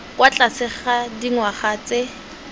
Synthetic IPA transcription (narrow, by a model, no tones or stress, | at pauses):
kʼwat͡ɬʼasɪχadiŋwaχaːt͡sʼe